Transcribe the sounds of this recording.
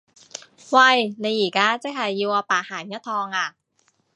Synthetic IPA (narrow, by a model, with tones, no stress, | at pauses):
wa˧jne˧jʔiː˨˩kaː˧˥t͡sa˥k̚haː˨˩jiː˧waː˧paː˨˩haː˨˩˦nkaː˥t̪ʰɔː˧ŋʔa˧˩